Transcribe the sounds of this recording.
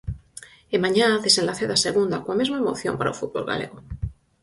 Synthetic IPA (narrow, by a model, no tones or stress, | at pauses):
emãɲaðesenlaθeðaseɣund̪akoamezmaemo̰θjompaɾaofut̪̚bo̰lɣa̰lḛɣo